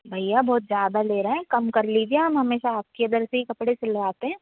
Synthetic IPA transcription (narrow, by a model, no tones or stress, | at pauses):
bʱɐjːabɔːt̪zjaːd̪aleːɾɐɦɛ̃kɐmkɐɾliːd͡ʒiãɦɐmɦɐmeːʃaaːp̚keɐnd̪əɾseɦikɐpɽesɪlʋaːt̪eɦɛ̃ː